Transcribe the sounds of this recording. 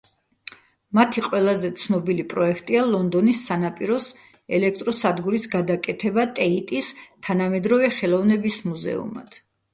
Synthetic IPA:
mat̪ʰiqʼwɛlˠazɛt̪sʰnɔbilipʼɾɔɛkʰt̪ʼialˠɔnd̪ɔnisːanapʼiɾɔs | ɛlɛkʰt̪ʼɾɔsad̪ɡuɾisɡad̪akʼɛt̪ʰɛbat̪ʼɛit̪ʼist̪ʰanamɛd̪ɾɔvɛχɛlˠɔvnɛbismuzɛ̰ṵma̰d̪̥ʰ

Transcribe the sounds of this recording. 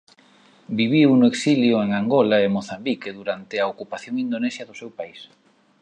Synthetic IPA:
biβiwnʊeksiljoeŋaŋɡolaemoθambikeðuɾant̪eɐokupaθjoŋind̪onesjɐðʊsewpais

